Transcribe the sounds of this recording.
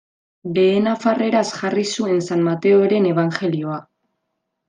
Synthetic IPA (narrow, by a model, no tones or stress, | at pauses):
le̞ːnafare̞ɾasʝarisue̞nsanmat̪e̞oɾe̞ne̞β̞aŋxe̞lio̞a